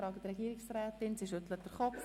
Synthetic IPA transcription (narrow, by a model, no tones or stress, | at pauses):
ɾɑːɡətrɛɡiːɾɪksrɛːtɪnsiʃʏtlət̚d̥əɾχɔf